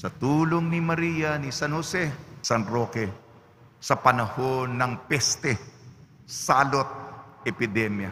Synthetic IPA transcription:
sɐt̪uːloŋnimɐɾijɐnisanhosɛsɐnɾoːkɛ | sɐpɐnɐho̞nːɐŋpɛst̪ɛ | saːlot̪̚ɛpɪd̪ɛmjɐ̰

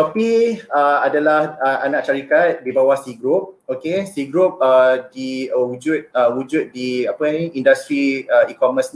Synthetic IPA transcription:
t̪apiəadalahəʔanãʔt͡ʃaɾikat̪̚bibawahsiɡɾup̚okesiɡɾup̚ədiəwud͡ʒut̪̚əwud͡ʒut̪̚diapənĩindast̪ɾiəikɔməsn

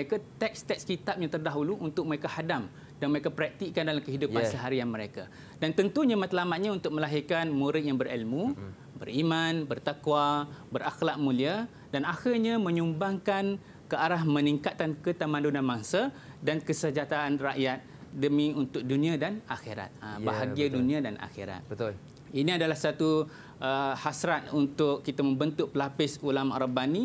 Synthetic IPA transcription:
ekat̪ɛk̚st̪ɛkskit̪ap̚ɲat̪ərdaɦuluʔunt̪ʊk̚məɾekahadam | danməɾekapɾak̚t̪iʔkandalamkəɦidupasəɦaɾianməɾeka̰ | dant̪ənt̪uɲamãt̪lamaʔ̪̚ɲaunt̪ʊk̚məlaɦirkanmuɾɪʔjaŋbəɾilmũ | bə̰rimanbərt̪akwabəɾʔaxlaʔ̚mũlia | danaxɪlɲamə̃ɲumbaŋkan | kəaɾahmə̃niŋkat̪̚ːankət̪amãndunãmaŋsadankəsəd͡ʒat̪aːnraʔjat̪̚ | dəmiunt̪ʊk̚dunĩadana̰xeɾa̰t̪̚əbaɦaɡiadunĩadanʔa̰xiɾa̰t̪̚bət̪ | inĩadalahsat̪u | ʔəhasɾat̪̚unt̪ʊkːit̪amə̃mbənt̪ʊk̚pəlapɪsulama̰rabani

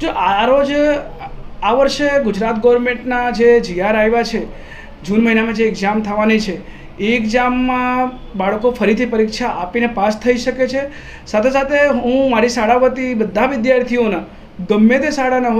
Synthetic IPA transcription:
d͡ʒoʔaɾod͡ʒ | aʋəɾʃeɡʊd͡ʒɾat̪ɡɔʋəɾmeɳʈnad͡ʒed͡ʒiaɾajʋat͡ʃʰe | d͡ʒunməɦinamãd͡ʒeːkd͡ʒamt̪ʰəʋanit͡ʃʰe | ekd͡ʒamːã | baɭkofəɾit̪ʰipəɾikʃaʔapinepast̪ʰəiʃəket͡ʃʰe | sat̪ʰesat̪ʰeɦɦũmaɾisaɽaʋət̪ibəd̪ʱːaʋɪd̪jaɾt̪ʰijona | ɡəmːet̪esaɽanaɦ

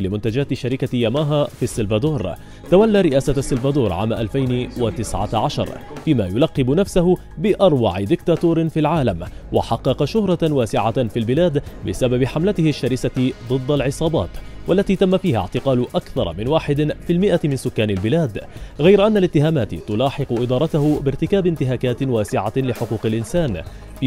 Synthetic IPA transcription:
lɪmʊnt̪ad͡ʒaːt̪ɪʃaɾɪkajamaːɦafisːɪlvad̪oːɾ | t̪awalːaːɾɪʔaːsaasːɪlvad̪oːɾˤʕa̰ːmaʔalfajnɪwat̪ɪsʕa̰ʕaʃɑ̰ɾˤfiːma̰jʊlɑqːɪbʊnafsahʊ | bɪʔɑɾˤwɑ̰ʕɪd̪ɪkt̪aːt̪oːɾɪfilʕaːlamwa̰ħɑqːɑqɑʃʊhɾˤɑwaːsɪʕafilbɪlaːd̪bɪsababɪħamlat̪ɪhɪʃːaɾɪsat̪d̪ˤɨd̪ˤːalʕɪsˤɑːbɑ̰ːt̪walːat̪iːt̪amːafiːha̰ʕt̪ɪqɑːlʊʔakθɑ̰ɾˤɑ̰mɪnwaːħɪd̪filmɪʔat̪mɪnsʊkːaːnɪlbɪlaːd̪ɣajɾʔanːalɪt̪ːɪɦaːmaːt̪ɪt̪ʊlɑːħɪqʊʔɪd̪ɑːɾˤɑt̪ahʊbɪɾt̪ɪkaːbɪnt̪ɪɦaːkaːt̪waːsɪʕalɪħʊquːqɪlʔɪnsaːn | f

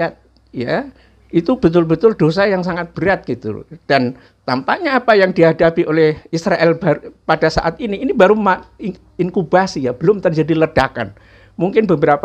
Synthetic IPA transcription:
at̪̚ | ja | it̪ub̥ət̪ʊlbət̪ʊldos̬ajaŋsaŋat̪̚b̥əɾat̪̚ɡ̥it̪ṵd̥an | t̪ampaʔɲaːpajaŋdiɦadapiʔolɛhisɾaʔɛlbaɾpadasa̰ʔat̪iniːnibaɾuma | iŋkubasijab̥əlʊmt̪ərd͡ʒadiləd̥aka̰n | muŋkɪnbəbəɾap

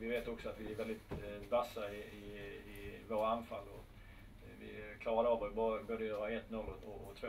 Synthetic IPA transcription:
vɪveːt̪ɔksɔat̪vɪæɾvɛld̪ɪt̪basːaɪɪɪvoːɾaanfalːɔ | vɪ̰kʰlɑːɾad̪əɑːvɔɾbboːd̪əjøːaɛt̪ːnɔlːɔɔɔt̪ʰvo

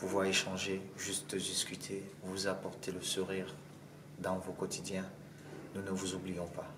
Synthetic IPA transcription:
puvwaʁeʃɑ̃ʒeʒyst̪d̪iskʲyt̪ʰevuzapɔʁt̪ʰeləsuʁiːʁ | d̪ɑ̃vokɔt̪id̪jɛ̃ | nunəvuzublijɔ̃pa

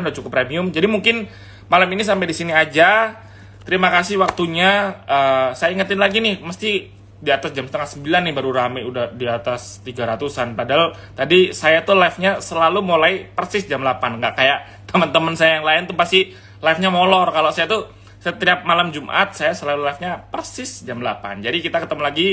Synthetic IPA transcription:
ndat͡ʃukʊpɾemiʊmd͡ʒadimuŋkɪn | malaminis̬ampajdisiniad͡ʒa | t̪əɾimakasɪhwak̚t̪uɲaəsajaiŋət̪ɪnlaɡinɪhməst̪i | diat̪asd͡ʒamsə̥t̪əŋahsəmbilanːɪbaɾuɾamajudahdiat̪ast̪iɡaɾat̪usanpadaɦal | t̪adisajat̪ulafɲasəlalumulaipərsɪsd͡ʒamlapanŋɡaʔkajaʔ | t̪əmənt̪əmənsajajaŋlaɪnt̪upast̪i | lafɲamolɔrkalosajat̪u | sət̪iap̚malamd͡ʒumʔa̰t̪̚sajasəlalulafɲapərsɪsd͡ʒamla̰pa̰nd͡ʒadikit̪akət̪əməlaɡi

